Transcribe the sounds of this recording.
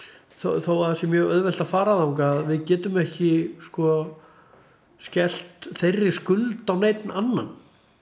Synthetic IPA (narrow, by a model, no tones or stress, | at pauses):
θoθowvaɾθɛsɪmjœːɣœðvɛl̥t̪afaːɾaðawŋkaːðvɪðcɛːt̪ʏmɛhcɪskɔ | scɛl̥t̪θejrːɪskʏlt̪awneːjt̪nanːa̰n